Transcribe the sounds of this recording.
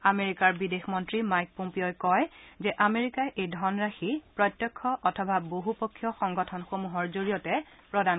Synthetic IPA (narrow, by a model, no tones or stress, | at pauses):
ameɹikaɹbidexmɔntɹimajk̚pɔmpeokɔjzɛʔameɹikaʔejdʱɔnɹaxipɹɔtːjɔkʰːɔʔɔtʰɔbaboɦupɔkʰːjɔxɔŋɡɔtʰɔnxomuɦɔɹzoɹijɔtɛ | pɹɔdan